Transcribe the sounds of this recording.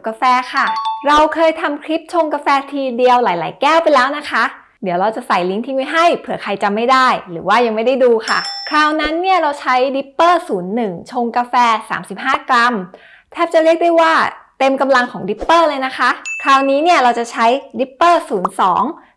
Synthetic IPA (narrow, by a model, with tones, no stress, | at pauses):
kaː˧fɛː˧kʰa˥˩ɾa˧wkʰɤː˧jt̪ʰa˧mkʰɾi˦˥p̚t͡ɕʰo˧ŋka˧fɛː˧t̪ʰiː˧di˧əwlaː˨˩˦jlaː˩˦jkɛː˥˩wpa˧jlɛː˦˥wna˦˥kʰa˦˥ʔ | di˩˦wɾa˧wt͡ɕa˨˩sa˨˩jli˦˥ŋt̪ʰi˧˥ŋma˦˥˩jɦa˥˩jpʰɯ˨˩˦ɐkʰa˧jt͡ɕa˧mːa˥˩jdaː˥˩jɾɯː˩˦waː˥˩ja˧ŋma˥˩jda˥˩jduː˧kʰa̰˥˩kʰɾaː˧˩wna˦˥nːi˥˩əɾa˧wt͡ɕʰa˦˥jdi˦˥pːɤː˥˩suː˩˦nːɯ˨˩ŋt͡ɕʰo˧ŋka˧fɛː˧sa̰ː˩˦msi˨˩p̚ɦaː˥˩kɾa˧m | t̪ʰɛː˥˩p̚t͡ɕa˨˩ɾi˥˩ək̚da˥˩jwaː˥˩t̪e˧mka˧mla˧ŋkʰɔː˩˦ŋdi˦˥pːɤː˥˩lɤː˧jna˦˥kʰa˦˥kʰɾaː˧˩wniː˦˥ni˥˩ɐɾa˧wt͡ɕa˨˩t͡ɕʰa˦˥jdi˦˥pːɤː˥˩suː˩˦nsɔː˩˦ŋ